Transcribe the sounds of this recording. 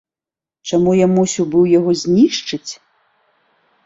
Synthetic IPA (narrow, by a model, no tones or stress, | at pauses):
t͡ʂamujamusʲiwbɨwjaɣɔzʲnʲiʂt͡ʂɨt͡sʲ